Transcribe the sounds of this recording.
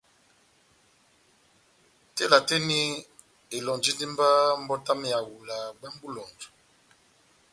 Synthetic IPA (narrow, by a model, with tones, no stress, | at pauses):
te˦la˨te˦ni˦ | e˨lɔ˨nd͡ʒi˦ndi˦m˦ba˦m̩˦bɔ˦ta˦me˨ja˨wu˨la˨ba˦m˦bu˦lɔ˨nd͡ʒu˨